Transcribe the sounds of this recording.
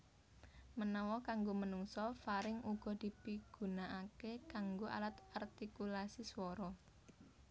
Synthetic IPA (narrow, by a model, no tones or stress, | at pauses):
mənɔwɔkaŋɡomənuŋsɔfaɾɪŋuɡ̥ɔ̤d̪̥i̤piɡ̥ṳnaʔakekaŋɡoʔa̰lat̪art̪ikulasiswɔɾɔ